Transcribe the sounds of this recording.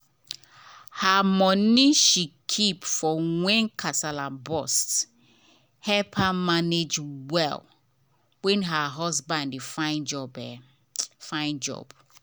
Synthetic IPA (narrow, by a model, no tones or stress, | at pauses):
hamɔniʃikʰipfɔŋɛ̃nkʰasalabɔst | hɛpʰamaned͡ʒwɛ̰l | wɛ̃nɦaɦɔsbãndifaɪ̃nd͡ʒɔbɛ | fãɪ̃nd͡ʒɔ̰b̥